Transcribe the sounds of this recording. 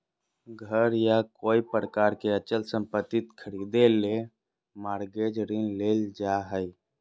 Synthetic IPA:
ɡʱəɾjakoːipɾəkaɾkeət͡ʃəlsə̃mpət̪ːit̪kʰəɾid̪ele | maɾɡed͡ʒɾinleld͡ʒaɦəj

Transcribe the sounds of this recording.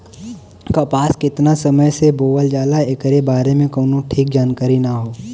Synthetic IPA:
kapaːskɪt̪nasəməjseboːʋəld͡ʒaːlaekɾebaːɾemẽkoːnõʈʰiːk̚d͡ʒaːnkaːɾinaɦoː

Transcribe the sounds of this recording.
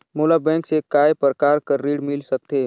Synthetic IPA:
moːlabɛ̃ːŋksekaːjepəɾkaːɾkəɾːiːɽmɪlsɐk̚t̪eː

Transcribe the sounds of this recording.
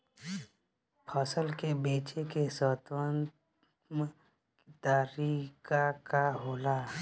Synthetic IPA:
pʰəsəlkebeːt͡ʃekesəːt̪wənt | m | t̪əɾikakaɦoːla

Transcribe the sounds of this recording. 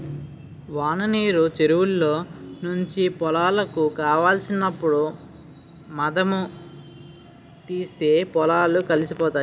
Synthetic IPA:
ʋaːnɐniːɾut͡ʃeɾuwulːo̞ːnuɲt͡ʃipɔlaːlɐkukaːʋaːlsinɐpːuɽu | mɐd̪ɐmu | t̪iːst̪e̞ːpɔlaːlukɐlisipɔːt̪aː

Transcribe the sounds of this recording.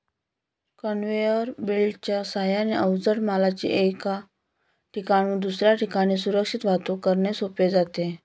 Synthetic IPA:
kənʋejəɾbilt͡ɕjasajaneʔəwd͡zəɽmalat͡ɕḭʔeka | ʈʰikaɽ̃ũd̪usɾjaʈikaɽ̃iːsuɾəkʂit̪ʋ̤at̪okəɾɳesoped͡zat̪e

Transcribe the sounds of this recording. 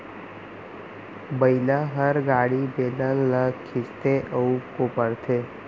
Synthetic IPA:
bəilaɦəɾɡaɽibeləlːəkʰist̪eʔəupkopəɾt̪ʰe

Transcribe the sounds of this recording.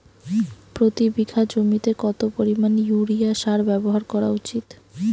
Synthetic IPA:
pɾot̪ibikʰad͡ʑomit̪ekɔt̪opoɾimanjuɾiaʃaɾbɛboɦaɾkɔɾaut͡ɕit̪

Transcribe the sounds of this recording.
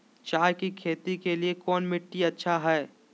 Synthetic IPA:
t͡ʃaːjkikʰeːt̪ikeliekɔːnmɪʈːiɐtːʃʰaɦɛː

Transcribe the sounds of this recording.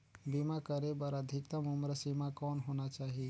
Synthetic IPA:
bimakəɾebəɾəd̪ʱikt̪əmumɾəsimakɔnɦonat͡ʃaɦi

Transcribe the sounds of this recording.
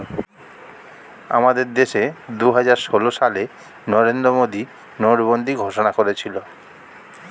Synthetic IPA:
a̰mad̪eɾd̪eʃed̪uɦad͡ʑaɾʃoloʃale | nɔɾend̪ɾomod̪i | noɾbond̪iɡʱoʃonakoɾet͡ɕʰilo

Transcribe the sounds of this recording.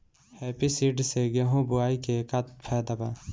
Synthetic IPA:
heːpisiɖseɡeɦũbʊaːikekat̪pʰɛːd̪aba

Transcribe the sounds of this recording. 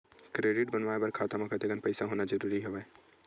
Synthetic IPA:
kɾeːɖɪʈ̚bənʋaːebəɾkʰaːt̪amãkət̪eɡənpəɪsaɦonad͡ʒəɾuɾiɦeʋɛ

